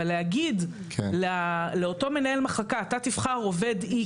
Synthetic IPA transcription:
aleaɡid | kleale̞o̞to̞me̞nae̞lmaχakaːtat̪ifχaʁo̞ve̞d̪i

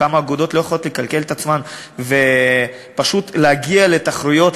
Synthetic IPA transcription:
amaːɡud̪o̞t̪lo̞jeχlo̞t̪lekalke̞let̪at͡sman | ve | paʃut̪leaɡiale̞t̪aχɾujo̞t

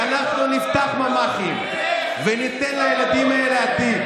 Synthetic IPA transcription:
anaχnunift̪aχmamaχim | venit̪enlajelad̪imaeleat̪i

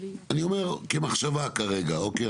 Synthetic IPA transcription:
anio̞me̞ʁkemaχʃavakaʁe̞ɡaoke

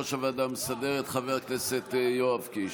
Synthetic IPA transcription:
aʃavad̪amsad̪eʁet̪χaveʁakneset̪joavki

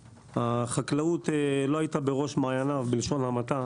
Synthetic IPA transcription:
haχaklaut̪elo̞ajit̪abeʁo̞ʃmaːjanavbilʃo̞nhamat̪a

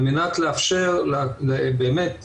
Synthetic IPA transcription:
minat̪leafʃeʁlebeːmet̪

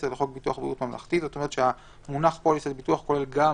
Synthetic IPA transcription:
seleχo̞k̚bituaχbʁḭut̪mamla̰χt̪it̪zot̪omeʁət̪ʃea | munaχpolisedbituaχko̞lelɡa

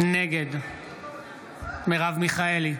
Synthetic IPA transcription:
neɡed̪ | meʁavmiχaeli

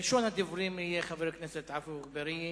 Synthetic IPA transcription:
lʃonhad̪ivuɾimijeχaveɾknɛset̪ʕafuχbeɾi

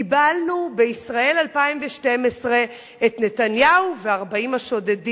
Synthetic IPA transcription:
ibalnubeisʁae̞lalpaimveʃte̞mesʁe̞ | etne̞tanjauveaʁbaimaʃo̞dedi

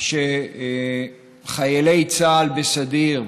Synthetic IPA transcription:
ʃe | χajelejt͡saːlbesad̪iʁ

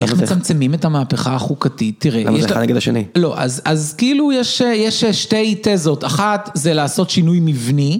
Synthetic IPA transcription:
ʔeχmet͡samt͡semime̞thamaːpeχaːχukatitːiʁḛjɛneɡed̪aʃenḭlo̞ʔa̰zazkeilujeʃejeʃeʃte̞jte̞zo̞taχatzelaːso̞tʃinujmivni

